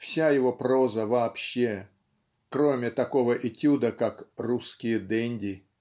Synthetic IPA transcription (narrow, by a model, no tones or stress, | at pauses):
fsʲajɪvo̞pro̞zəvɐːpɕːe | kɾomʲɪt̪ɐko̞vəʔɪtʲud̪əkakruskʲɪjəd̪ɛnʲdʲɪ